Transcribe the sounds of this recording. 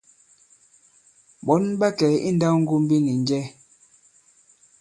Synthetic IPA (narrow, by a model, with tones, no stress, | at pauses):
bɔ˨˦nba˦kɛ˨˦ʔḭ˦n̩˦da˦ŋ̩˦ɡu˦m˦bi˦ni˨n˦d͡ʒɛ˦